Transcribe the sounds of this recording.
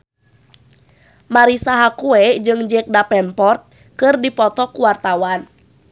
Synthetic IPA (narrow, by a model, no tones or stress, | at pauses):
maɾisaɦakuɛd͡ʒɨŋd͡ʒɛk̚dapɛnpɔrt̪̚ | kɨrdipɔt̪ɔkuwart̪awan